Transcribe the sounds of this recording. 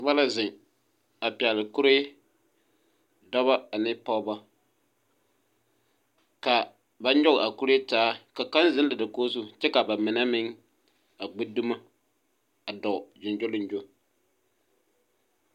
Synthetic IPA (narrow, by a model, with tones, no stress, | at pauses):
ba˦la˦zɪ˨ŋ | a˨pi˨a˨lɪ˨ku˦ɾe˦ | dɔ˦βa˦a˨nɪ˦pa˦ba˦ | ka˨ | ba˦n˦ɔ˦ɣʔa˨ku˦ɾe˦taː˦ka˨ka˦nzɪ˦n˦la˨dɨ˨koː˦su˦t͡ʃɛ˦ka˨ba˨mɪ˨na˦mɪ˦ŋ | a˨ɡ͡bi˦du˦ma˦ | a˨dɔ˨d͡ʒɪ˨nd͡ʒo˦lɪ˦nd͡ʒo˦